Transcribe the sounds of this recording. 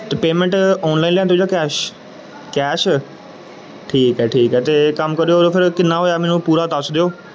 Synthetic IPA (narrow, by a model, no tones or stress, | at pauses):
t̪epeːmə̃ɳʈɔːnlaːinlẽːt̪̬od͡ʒaːkɛːʃ | kɛːʃ | ʈʰiːkɦɛːʈʰiːkɦɛːt̪eːkəmkəɾoɾopʰɪɾkɪnːãːɦoːjaːmẽːnũːpuːɾaːt̪əsd̪ejoː